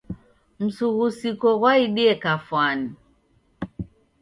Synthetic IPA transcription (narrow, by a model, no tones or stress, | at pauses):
m̩suɣusikɔɣwaiɗiɛkafwani